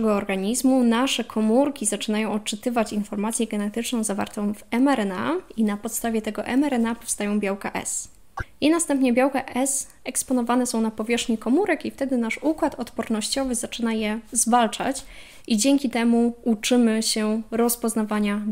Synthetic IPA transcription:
ɛɡɔːɾɡaɲizmunaʂɛkʰɔmuɾkʲizat͡ʂɘnajɔ̃w̃ɔt̪̚t͡ʂɘt̪ɘvat͡ɕinfɔɾmat̪sʲjɛɡɛnɛt̪ɘt͡ʂnɔ̃w̃zava̰ɾt̪ɔ̃w̃vɛmɛɾɛna̰inapɔt̪st̪avʲjɛt̪ɛɡɔʔɛ̰mɛɾɛnapɔfst̪ajɔ̃w̃bʲjawkaʔɛ̰s | inast̪ɛmpɲɛbʲjawkaʔɛs | ɛkspɔnɔvanɛsɔ̃w̃napɔvʲjɛʂxɲikɔmuɾɛkift̪ɛd̪ɘnaʂukwat̪ɔt̪pɔɾnɔɕt͡ɕɔvɘzat͡ʂɘnajɛzvalt͡ʂat͡ɕ | id͡ʑɛŋkʲit̪ɛmuut͡ʂɘmɘɕɛɾɔspɔznavaɲa

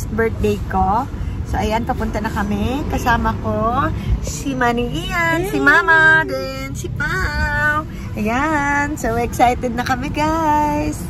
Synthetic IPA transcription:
st̪̚bɛɹt̪̚d̪ejkosoʔɐjanpɐpʊnt̪ɐnɐkɐmɛkɐsaːmɐkosimaniʔijansimaːmɐd̪ɛ | nsimaw | ʔɐjansowɛksajt̪ɛd̪̚nɐkɐmɛɡajs

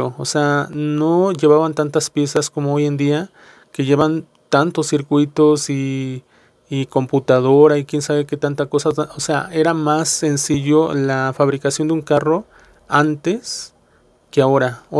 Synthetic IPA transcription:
ooseanoʝeβaβant̪ant̪aspje̞saskomoojend̪ia | keʝeβan | t̪ant̪osːiɾkwit̪osi | komput̪að̞oɾaikjensaβeket̪ant̪akosaosea̰ʔeɾamasːensiʝolafaβɾikasjo̞nd̪euŋkaro | ant̪es | keaoɾa

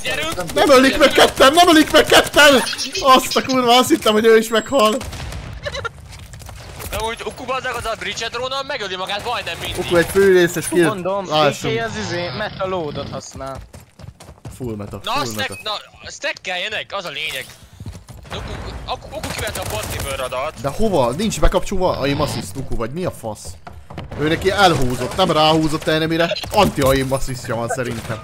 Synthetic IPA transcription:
ɛɾylnɛmølikmɛkːɛt̪ːɛmnɛmølikmɛkːɛt̪ːɛnɒst̪ɒkuːrʋɒɒst̪it̪ːɛmhoɟøːiʃmɛkhɒl | d̪ɛmut̪ukubɔzɛkɔzɑbrit͡ʃɛt̪roːnɒmɛɡølimɒɡaːt̪mɒjd̪nɛmːinokuɛcføːɾeːsɛʃkind̪omlaːʃːoɒzizeːmɛt̪ːɒloːd̪ot̪hɒsnaːl | fulmɛt̪ɒnɔlɛɛt̪nɒsnɛkːɛljɛnɛkɒzɒleːɲɛɡ̪ | okukokukivɛnt̪ɛːport̪ibøɾod̪ɒt̪d̪ɛho̞vɒnint͡ʃbɛkɒp̚t͡ʃolvɒʔɒ̰emɒsist̪ukuvɒɟmiɒfɒs | øːnɛkiɛlɦuːzo̞t̪nɛmraːɦuːzo̞t̪ːɛːnɛmiɾɛɒnt̪iɒemːɒsisɒvɒnsɛɾint̪ɛm

